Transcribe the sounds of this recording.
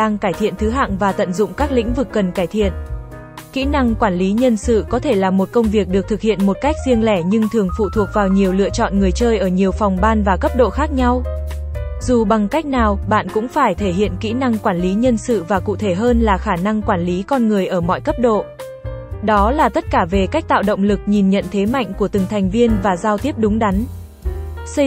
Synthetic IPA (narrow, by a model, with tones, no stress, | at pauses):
aː˧ŋkaː˧˩jt̪ʰḭ˧˨ənt̪ʰɨ˨˦ɦa̰ː˧˨ŋvaː˨˩t̪ə̰˧˨nzʊ̰˧˨ŋ͡mkaː˦˥k̚lḭ˧˥ŋ̟vɨ˨˩kːə˨˩nkaː˧˩jt̪ʰḭ˧˨ən | kḭ˧˥na˧ŋkwaː˧˩nli˨˦ɲə˧nsɨ̰˧˨kɔ˨˦t̪ʰe˧˩laː˨˩mo˨˩t̚kə˧wŋ͡mvi˨˩ək̚ɗɨ˨˩ək̚t̪ʰk̚hḭ˧˨ənmo˨˩t̚ka˦˥jk̚zi˧əŋlɛ˧˩ɲɨ˧ŋt̪ʰɨ˨˩əŋfṵ˧˨t̪ʰu˨˩ək̚vaː˨˩wɲi˨˩əwlɨ̰˧˨ət͡ɕɔ̰˧˨nŋɨ˨˩əjt͡ɕəː˧jʔəː˧˩ɲi˨˩əwfa˨˩wŋ͡mɓaː˧nvaː˨˩kə˦˥p̚ɗo̰˧˨xaː˦˥k̚ɲa˧w | zu˨˩ɓa˨˩ŋka˦˥jk̟̚naː˨˩wɓa̰ː˧˨nkʊ̰˧˥ŋ͡mfaː˧˩jt̪ʰe˧˩hḭ˧˨ənkḭ˧˥na˧ŋkwaː˧˩nli˨˦ɲə˧nsɨ̰˧˨vaː˨˩kṵ˧˨t̪ʰe˧˩ɦəː˧nlaː˨˩xaː˧˩na˧ŋkwaː˧˩nli˨˦kɔ˧nŋɨ˨˩əjʔəː˧˩mɔ̰˧˨jkə˦˥p̚ɗo̰˧˨ | ɗɔ˨˦laː˨˩t̪ə˦˥t̚kaː˧˩ve˨˩ka˦˥jk̚t̪a̰ː˧˨wɗə̰˧˨wŋ͡mlɨ˨˩k̚ɲi˨˩nɲə̰˧˨nt̪ʰe˨˦ma̰˧˨jŋ̟ku˧˩ət̪ɨ˨˩ŋt̪ʰa˨˩jŋ̟vi˧ənvaː˨˩zaː˧wt̪i˦˥əp̚ɗʊ˨˦ŋ͡mɗa˨˦n | sə˧